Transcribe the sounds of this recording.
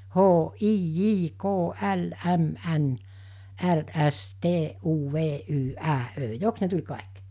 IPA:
hoː ʔiː jiː koː ʔæl ʔæm ʔæn ʔær ʔæs teː ʔuː ʋeː ʔyː ʔæː ʔø joks ne tulʲ kɑˑik

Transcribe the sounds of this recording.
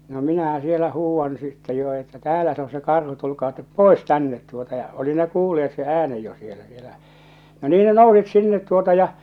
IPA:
no minæhæ sielæ huːwːɑn sitːɛ jo etːæ tæːlæ se o se kɑrhu tulkɑː tep poˑes tænːet tuotɑ jɑ oli ne kuːlːeet se ʔæːnej jo sielæ sielæ no niː ne nousit sinːet tuotɑ jɑ

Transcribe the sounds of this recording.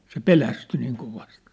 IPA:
se pelæsty niːŋ koʋɑst

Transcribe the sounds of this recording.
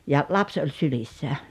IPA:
jɑ lɑps olʲ sylisːæ

